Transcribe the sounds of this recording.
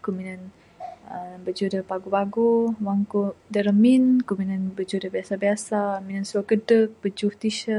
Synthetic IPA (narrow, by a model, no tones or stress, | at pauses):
kuminən | əbəd͡ʒudəpaɡupaɡuwaŋkudəɾəminkuminənbəd͡ʒudəbiasabiasaəminənsuaɡədək̚bəd͡ʒuht̪iʃə